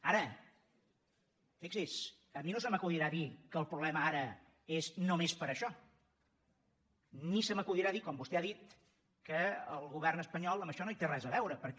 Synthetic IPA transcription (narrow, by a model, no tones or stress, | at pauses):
aɾə | fiksis | əminosəməkuðiɾaðikəːlˠpɾuβlɛməaɾə | eznomespəɾəʃɔ | nisəməkuðiɾaðikɔmbust̪ɛaðit̪ | kəə̰lˠɣuβ̞ɛrnəspəɲɔlˠəməʃɔnoit̪erɛzəβɛwɾəpəɾ